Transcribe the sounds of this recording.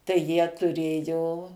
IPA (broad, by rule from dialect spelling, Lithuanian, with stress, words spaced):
tɐɪ jiɛ tʊˈrʲeːjoː